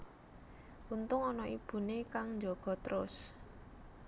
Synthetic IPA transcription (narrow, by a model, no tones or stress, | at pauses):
ʔunt̪ʊŋɔnɔʔib̥ṳnekaŋɲd͡ʒɔɡ̥ɔ̤t̪əɾʊs